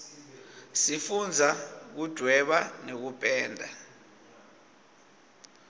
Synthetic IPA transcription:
sifund͡zʱak̬ud̥ʱwɛɓanek̬upʼɛːndʱa̰

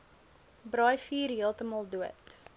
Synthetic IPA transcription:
brɑjfiːrɦiəlˠtəmɐlˠduət

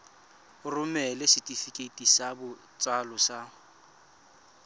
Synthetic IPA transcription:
ʊrʊmɛlɪsɪtʼifikʼetʼisabʊ | t͡sʼwalʊsa

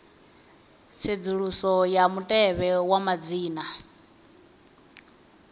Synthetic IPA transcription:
t͡sʰed͡zuɺusɔjamutʼɛβɛwamad͡ziːna

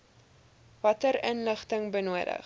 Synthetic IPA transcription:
vɐtəɾənləχtəŋbənuəɾə̰χ

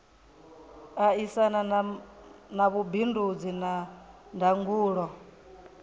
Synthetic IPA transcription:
aisana | naβubindud͡zinandʱaŋɡuːɺɔ

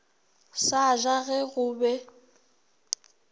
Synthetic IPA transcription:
saʒaɣɛɣʊbɛ

